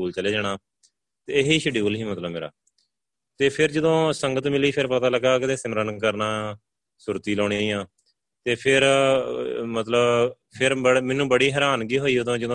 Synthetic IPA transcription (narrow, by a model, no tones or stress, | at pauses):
uːlt͡ʃəleːd͡ʒaːɽ̃aː | t̪eːɪɦiːʃəɖjuːlɦiːmət̪ləbːeːɾa̰ː | t̪eːpʰɪɾd͡ʒəd̪õːsəŋɡət̪mɪliːpʰɪɾpət̪aːləɡaːkɪd̪eːsɪmɾənkəɾnaː | sʊɾt̪iːloːɽ̃iːjãː | t̪eːpʰɪɾ | mət̪ləb | pʰɪɾəmɛnũːbəɽiːɦɛːɾaːnɡiːɦoːiːʊd̪õːd͡ʒəd̪õː